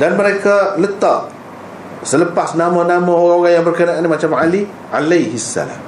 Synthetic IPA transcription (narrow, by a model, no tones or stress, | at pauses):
danməɾekalət̪aʔ | sələpasnamãnamãoɣaŋoɣaŋjaŋbərkənaʔanimat͡ʃamʕali | ʕalajɦiasːa̰la̰m